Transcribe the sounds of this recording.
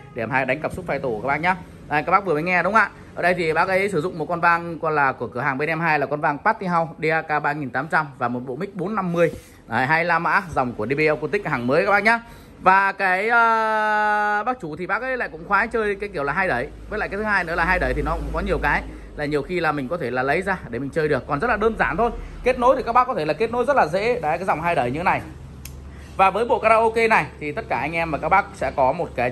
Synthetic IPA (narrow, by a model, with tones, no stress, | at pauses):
ɗe˧˩˨mhaː˧ɗa˨˦ŋkə˨˩p̚sʊ˦˥t̚faː˧jt̪o˧˩aː˦˥ɓa̰ː˧˨ŋɲaː˨˧˨ | jka˦˥kɓaː˦˥k̚vəmə˨˦ŋɛ˧ɗʊ˨˦ŋ͡mŋʔa̰ː˧˨ | ʔəː˨˩ɗə˧jt̪ʰi˨˩ɓaː˦˥k̚ʔə˨˦jsɨ˧˩zʊ̰˧˨ŋ͡mmo˨˩t̚kɔ˧nvaː˧ŋkɔ˧laː˨˩ku˧˩əkɨ˧˩əɦaː˨˩ɓe˧nɛ˧mɦaː˧jlaː˨˩kɔ˧nvaː˧ŋpaː˦˥t̚t̪i˧ɦa˧wɗi˧ʔaː˧kaː˧ɓaː˧ŋi˨˩nt̪aː˨˦mt͡ɕa˧mvaː˨˩mo˨˩t̚ɓo̰˧˨mï˦˥k̚ɓo˨˦nːa˧mːɨ˧əj | ɦaː˧jlaː˧˩ma̰ː˧˥za˨˩wŋ͡mku˧˩əɗi˧ɓi˧ʔɛ˧wku˧t̪ï˦˥k̚haː˨˩ŋməː˨˦jka˦˥ɓaː˧˨ɲaː˨˦ | vaː˨˩kaː˨˦jʔəː˧ | ɓaː˦˥k̚t͡ɕu˧˩t̪ʰi˨˩ɓaː˦˥k̚ʔə˨˦jla̰ː˧˨kʊ̰˧˥ŋ͡mxwaː˨˦t͡ɕəː˧jkaː˨˦jki˧˩əwlaː˨˩ɦaː˧jɗə˧˩j | vəː˨˦ja̰ː˧˨kaː˨˦t̪ʰɨ˨˦ɦaː˧jnɨ̰˧˥əlaː˨˩ɦaː˧jɗə˨˧˩jt̪ʰi˨˩nɔ˨˦kʊ̰˧˥ŋ͡mkɔ˨˦ɲi˨˩əwkaː˨˦j | laː˨˩ɲi˨˩əwxi˧laː˨˩mï˨˩ŋ̟kɔ˨˦t̪ʰe˧˩laː˨˩lə˨˦jzaː˧ɗe˧˩mï˨˩ŋ̟t͡ɕəː˧jɗɨ˨˩əkːɔ˨˩nzə˦˥t̚laː˨ɗəː˧nzaː˧˩nt̪ʰo˧jke˦˥t̚no˨˦t̪ʰi˨˩ka˦˥ɓaː˦˥kːɔ˨˦e˧˩laː˨˩ke˦˥t̚no˨˦jzə˦˥t̚laː˨˩zḛ˧˥ɗaː˨˧˦kaː˨˦jza˨˩wŋ͡mɦaː˧jɗə˧˩jɲɨ̰˧˥˦na˨˩j | vaː˨˩vəː˨˦jɓo̰˧˨kaː˧ɾaː˧ʔo˧ke˧na˨˩jt̪ʰi˨˩t̪ə˦˥t̚kaː˧˩ʔa˧ŋ̟ʔɛ˧mvaː˨˩kaː˦˥k̚ɓaː˦˥k̚sɛ̰˧˥kɔ˨˦mo˨˩t̚kaː˨˦j